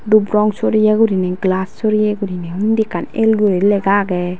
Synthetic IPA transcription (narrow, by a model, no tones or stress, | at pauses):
d̪ubɾɔŋsoɾijɛɡuɾinɛɡlassoɾijɛɡuɾinɛund̪ikanelɡuɾilɛɡaɡɛ